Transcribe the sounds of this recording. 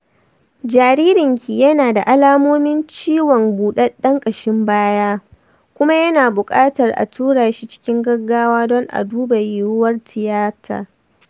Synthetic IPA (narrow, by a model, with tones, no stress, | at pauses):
d͡ʒaː˨ɾiː˦ɾɪ˨ŋkʲi˨jɐ˦naː˨da˨ʔa˦laː˦moː˦mɪ˦nt͡ʃiː˦wɔ˨ŋɡuː˨ɗɐ˦ɗɐ˦ŋkʼɐ˨ʃɪ˦mbaː˦jaː˦ | kʷʊ˦ma˦jɐ˦naː˨bʊ˨kʼaː˦tɐ˨rʔa̰˨tʰuː˦ɽaː˨ʃi˦t͡ʃɪ̥˦kʲɪ˦ŋɡɐ˦ɡːaː˦waː˦dɔ˦ŋʔa̰˨duː˦ba˨jɪ˨ɾʊ˦wɐ˦rtʰɪ˨jaː˦tʰa̰ː˨